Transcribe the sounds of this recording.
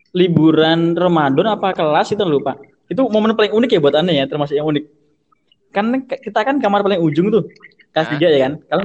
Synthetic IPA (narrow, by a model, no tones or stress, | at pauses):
libuɾanrəmadɔnapakəlasit̪anlupaʔ | it̪̬umomənpalɪŋunɪk̬jabuat̪anajat̪ərmasʊkjaŋunɪk̚ | kankakit̪akankamarpalɪŋud͡ʒʊŋt̪ʊh | kast̪id͡ʒaʔjakankala